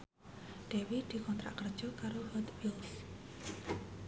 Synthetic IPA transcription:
ɖ̪̥e̤wid̪̥i̤kɔnt̪ɾa̰ʔkərd̥ʒ̥ɔ̤kaɾohɔt̪wils

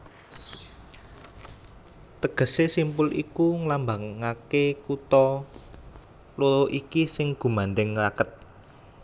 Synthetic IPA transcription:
t̪əɡ̥ə̤sesimpʊlʔḭkuŋlambaŋakekut̪ɔ | loloʔikisɪŋɡ̥ṳmandɛŋlakət̪̚

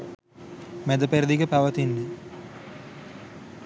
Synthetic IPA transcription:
mɛd̪əpeɾd̪ikəpaʋət̪inːə

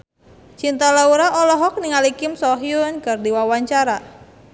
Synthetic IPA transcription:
t͡ʃint̪alauɾaʔɔlɔɦɔk̚niŋalikɪmsɔɦjʊnkɨrdiwawaɲt͡ʃaɾa

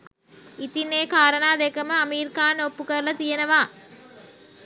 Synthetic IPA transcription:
ɪt̪ːineːkaːɾɐnaːd̪ekɐmɐɐmiːɾkaːnoːpːɯkɐɾlɐt̪ijɐnɐʋaː

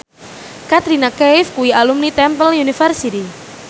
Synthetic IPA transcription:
kat̪ɾinakɛjfkuialumnit̪ɛmpəlunifərsit̪i

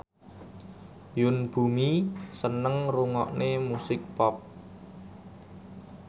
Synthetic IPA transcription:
jʊnb̥umisənəŋruŋɔʔnemusɪk̚pɔp̚

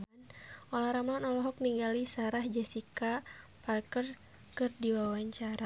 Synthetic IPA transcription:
nʔɔlahɾamanɔlɔɦɔk̚niŋɡalisaɾahd͡ʒasikaparkər | kɨrdiwawaɲt͡ʃaɾa

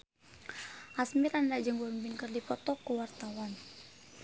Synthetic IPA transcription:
asmiɾandaʔd͡ʒəŋbɔmbinkərdipɔt̪ɔkəwart̪awan

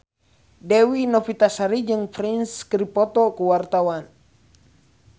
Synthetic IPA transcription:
dɛwinɔfit̪asaɾid͡ʒɨŋfɾinskɾipɔt̪ɔkuwart̪awan

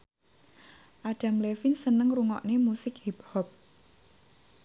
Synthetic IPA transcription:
ʔaɖ̥a̤mlefinsənəŋruŋɔ̰ʔnemusɪkhib̥hɔp̚

